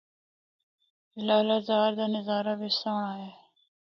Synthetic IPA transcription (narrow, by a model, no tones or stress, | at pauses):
laːlazaːɾd̪anɪzaːɾabisaːɳaːɦe